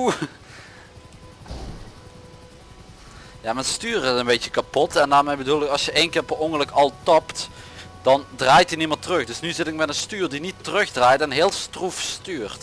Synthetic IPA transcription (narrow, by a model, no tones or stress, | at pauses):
jaːmɛnstyːrətənbejcəkapɔtɛndaːrmejbədulˠɪkɑlˠsjəʔejnkɪːrɔpəɔŋələkɑlˠtɑptd̥ɑndraːjtinimətərɵxdɵsnyzɪtɪk̚mɛtənstyːrdinitərɵxdraːjtɛnɦeːlˠstrufstyːrt